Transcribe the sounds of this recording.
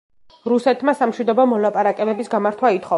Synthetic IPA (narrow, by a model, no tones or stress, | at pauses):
ɾusɛt̪ʰmasamʃwid̪ɔbɔmɔlapʼaɾakʼɛbɛbisɡamaɾt̪ʰwait̪χɔ